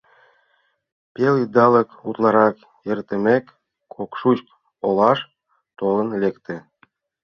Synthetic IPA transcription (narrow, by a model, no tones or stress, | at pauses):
pʲelid̪ɑlə̆kut̪lˠɑɾɑk | ĕrt̪ɘ̆mʲek | kʰokʃut͡ɕk | olˠɑʃ | t̪olˠɤ̆nlʲekt̪ɘ̆